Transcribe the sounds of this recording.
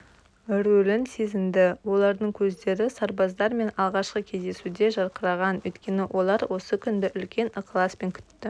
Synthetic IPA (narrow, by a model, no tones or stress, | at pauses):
ɾɵlɪnse̞zɪmd̪ɪwo̞lˠɑɾd̪əɴkʲʰɵzd̪e̞ɾɪsɑɾbɑzd̪ɑɾme̞nɑlˠʁɑʃqəkʲʰe̞zd̪e̞sud̪e̞ʒɑɾqəɾɑʁɑnwɵ̰jt̪kʲe̞nɪwʔo̞lˠɑɾwo̞səkʲʰʏnd̪ɪʔʏlkʲe̞nəqlˠɑspe̞ŋkʲʰʏ̥t̪ːɪ